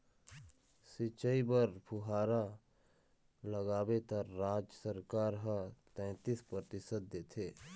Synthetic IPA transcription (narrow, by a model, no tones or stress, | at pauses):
sɪt͡ʃəibəɾpʰʊɦaːɾa | ləɡaːbet̪əɾɾaːd͡ʒjəsəɾkaːɾɦə̃t̪ɛ̃ːt̪ispɾət̪ɪsəd̪et̪ʰeː